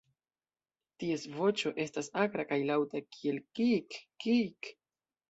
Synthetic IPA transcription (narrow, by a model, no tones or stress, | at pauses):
tie̞svo̞t͡ʃo̞ʔe̞stasaɡɾakajlawtakʰie̞lkikː | ik